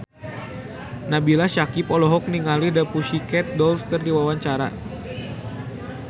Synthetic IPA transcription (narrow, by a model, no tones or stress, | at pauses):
nabilahʃakipɔlɔɦɔk̚niŋalihdapuʃikɛt̪̚dɔlfkərdiwawaɲt͡ʃaɾa̰